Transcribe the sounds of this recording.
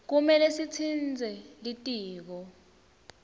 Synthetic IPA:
k̬umɛlesit͡sʰind͡zʱɛlitʼiːk̬ɔ

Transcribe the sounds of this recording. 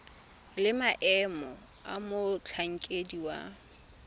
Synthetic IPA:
lɪmaʔɛmɔ | amʊt͡ɬʰaŋ̩kʼediwa̰

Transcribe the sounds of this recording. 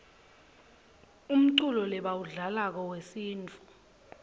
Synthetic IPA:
um̩ǀulɔlɛɓawuɮalak̬ɔwesiːnt͡fʰʼu̥

